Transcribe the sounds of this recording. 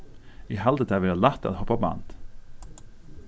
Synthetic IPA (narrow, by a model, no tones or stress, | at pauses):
ihɛld̪ət̪ʰæːʋɪɑːlæt̪ːɑ̰t̪hɔpɑbɑ̰ːnt̪